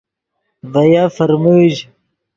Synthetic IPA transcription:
vɐjaːfɐɾmuːʑ

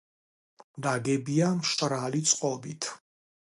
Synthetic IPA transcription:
d̪aɡɛbiamʃt͡ʃʼɾalit̪sʼqʼɔbit̪ʰ

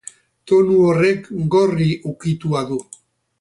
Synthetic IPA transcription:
t̪o̞nuore̞kɡo̞riʔukit̪uaðu

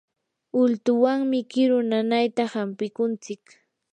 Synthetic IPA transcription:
ʊlt̪ʊwaŋmɪkɪɾʊnanajt̪ahampɪkʊnt͡sɪk

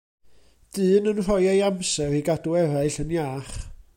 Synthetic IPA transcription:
d̥ɨːnənr̥ɔjajamsɛriɡaduɛɾaɨɬənjaːχ

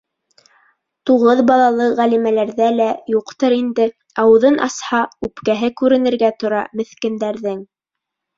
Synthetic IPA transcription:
t̪uʁɤðbɑlˠɑlˠɤʁælimælæɾðælæjuqt̪ɤɾind̪ɘ | ɑwɤ̆ðɤnʔɑ̰shɑʉpkæɦɘkʉɾɘ̆nɘ̆ɾɡæt̪ŏɾɑmɘ̆θkɘ̆nd̪æɾðɘŋ

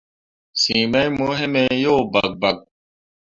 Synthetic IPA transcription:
sĩːmɐjmoɦemejoːbɐ̰k̚bɐk̚

